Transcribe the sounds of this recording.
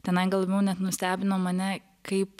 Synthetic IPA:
t̪ʲɛnɐɪɡɐlˠʋʋʲɛʊnʲɛt̪nʊsʲt̪ʲæːbʲɪnoːmɐnʲɛ | kɐɪp

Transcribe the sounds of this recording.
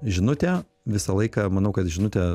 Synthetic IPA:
ʒʲɪnʊt̪ʲɛː | ʋʲɪsɐlˠɐɪkɑmɐnɐʊkɐt̪ʒʲɪnʊt̪ʲɛ

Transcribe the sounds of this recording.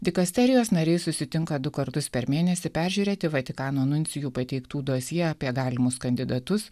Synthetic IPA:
d̪ʲɪkɐsʲt̪ʲɛɾʲɪjoːsnɐɾʲɛɪsʊsʲɪt̪ʲɪŋkɐd̪ʊkɐɾt̪ʊspʲɛɾmʲeːnʲɛsʲɪpʲæːɾʲʒʲuːɾʲeːt̪ʲɪʋɐt̪ʲɪkɑːnoːnʊnʲt̪sʲɪjuːpɐt̪ʲɛɪkt̪uːd̪oːsʲjiɛːɑːpʲiɛɡɑːlʲɪmʊskɐnʲd̪ʲɪd̪ɐt̪ʊs

